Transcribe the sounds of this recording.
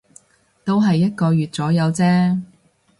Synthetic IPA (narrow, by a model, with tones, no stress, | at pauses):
t̪o˥wɦɐ˨jːɐ˥t̚kɔː˧jyː˨t̚t͡sɔː˨˥jɐ˨˧wt͡sɛː˥